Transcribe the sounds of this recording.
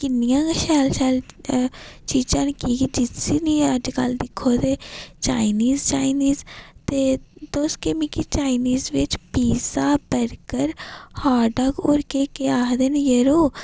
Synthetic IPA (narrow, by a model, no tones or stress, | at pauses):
kɪnːɪjãːʃɛːlʃɛːl | t͡ʃiːd͡ʒãːnkiːɡid͡ʒɪtːiːniːəd͡ʒkəld̪ɪkʰːoːd̪eːt͡ʃaːɪniːzt͡ʃaːiniːzt̪eːt̪oːskeːmĩkit͡ʃaːɪniːzʋɪt͡ʃpiːsaːbəɾkəɾhaːɖəɡʊɾkeːkeaːd̪enjeɾoː